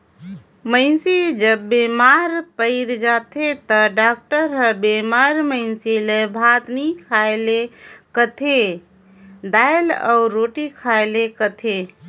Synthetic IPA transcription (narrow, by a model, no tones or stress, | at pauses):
mə̃ɪnsid͡ʒəbːeːmaːɾpəɪɾd͡ʒaːt̪ʰet̪ɐɖaːk̚ʈəɾɦəbeːmaːɾmə̃ɪnsilebʱaːt̪nikʰajlekət̪ʰe | d̪aːlɔ̰ːɾoːʈikʰaːelekət̪ʰe